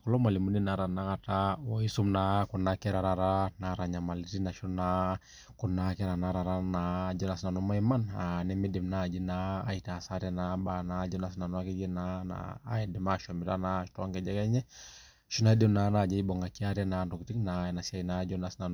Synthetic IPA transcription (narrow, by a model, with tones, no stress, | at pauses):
kɔlɔ˦ma˨li˨mu˦ni˦naɾa˨na˦katawɔ˨i˦su˦mnaku˨nakɛɾa˨ɾa˨ɾana˨ɾa˨ɲa˨ma˨liɾina˨ʃɔ˦na | kunːakɛɾa˨naɾa˨ɾa˦nad͡ʒɔ˦na˨sna˨nɔma˦ɛmananɛmɛ˦dɛ˨mnad͡ʒi˦naː˨itaː˨sa˦ɾɛnabanad͡ʒɔ˦na˨sna˨nɔa˦kɛd͡ʒɛ˦nana̰ː˦ɛdɛ˨ma˦ʃɔmi˨ta˦naʃi̥tːŋɡɛd͡ʒɛkɛ˦ɲɛ˦ | ʃu˦na˦i˦dɛ˦mnana˨d͡ʒɛ˦ibɔŋɡa˨kia˦ɾɛnandɔ˨kiti˦knaɛna˨siainad͡ʒɔnasna˨n